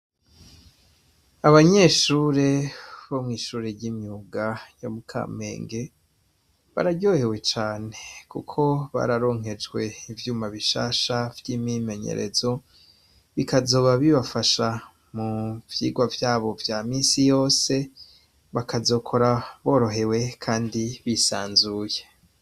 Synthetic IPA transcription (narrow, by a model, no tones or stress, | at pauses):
aβaɲe̞ːʃuːɾe̞βomŋiːʃuːɾeɾɟimɲuːɡajo̞mukʰa̰ːme̞̰ːŋɡe̞ | βa̰ɾaɟo̞ːhe̞we̞t͡ʃaːne̞kṵkʰo̞βa̰ɾaɾo̞ŋ̥ɦe̞d͡ʒɡwe̞ivjuːmaβiʃa̰ːʃavjiːmime̞ɲḛɾe̞̰zo̞ | βikazo̞ːβaβiβafaʃa | muvjḭːɡwavjaːβo̞vjamiːsijo̞ːse̞ | βakazo̞ːkʰo̞ɾaβo̞ːɾo̞ɦe̞we̞kʰaːndiβisa̰ːnzuːje